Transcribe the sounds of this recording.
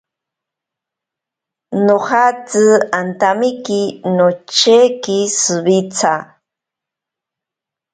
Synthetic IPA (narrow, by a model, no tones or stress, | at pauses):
noχat͡sɨant̪amikinot͡ʃekisɨbit͡sʰa